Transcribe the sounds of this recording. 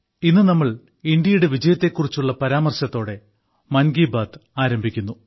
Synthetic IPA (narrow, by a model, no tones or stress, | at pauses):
inːɨnɐmːɐɭ | ind̪jɐjuɽeʋid͡ʑɐjɐt̪ːe̞kːurit͡ɕːuɭːɐpɐɾaːmɐrɕɐt̪ːo̞ːɽe̞ | mɐnɡiːbaːt̪aːɾɐmbʱikʲːunːu